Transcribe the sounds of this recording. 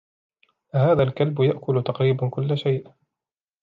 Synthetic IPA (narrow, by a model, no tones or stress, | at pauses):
haːðaːlkalbjaʔkʊlt̪ɑqɾiːbkʊlːaʃajʔ